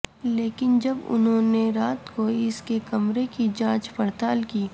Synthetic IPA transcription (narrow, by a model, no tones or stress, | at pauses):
leːkɪnd͡ʒɐbʊ̰nɦõːneɾaːt̪koɪskekɐmɾekid͡ʒãːt͡ʃpɐɾt̪aːlkiː